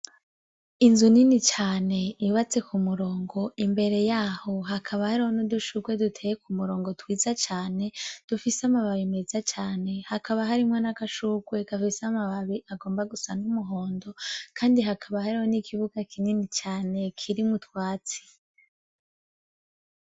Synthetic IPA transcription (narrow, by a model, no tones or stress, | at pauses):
inzuninit͡ʃaːne̞iuβat͡se̞kʰumuɾoːŋɡo̞imbe̞ɾe̞jaho̞ɦakʰaβahaɾihonoduʃuɡwe̞dutʰejekumuɾo̞ːŋɡo̞twiːzat͡ʃaːne̞d̥ufiseamaβaβimezat͡ʃaːne̞hakʰaβaɦaɾimŋanakaʃuɡwe̞kafisamaβaβiʔaɡo̞ːmbaɡusanumuɦo̞ːndo̞kʰaːndiɦakʰaβahaɾihonikʰiβuɡakʰininit͡ʃaːne̞kʰiɾimutwaːt͡si̥